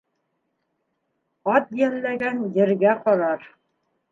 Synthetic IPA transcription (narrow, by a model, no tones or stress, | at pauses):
ɑt̪̚jælːæɡænjɘ̆ɾɡæqɒɾɑɾ